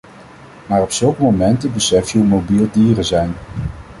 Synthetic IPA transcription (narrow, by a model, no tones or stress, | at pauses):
maːrɔpsɵlˠkəmomɛntəbəsɛftjywmowbilˠdiːrəzɛjn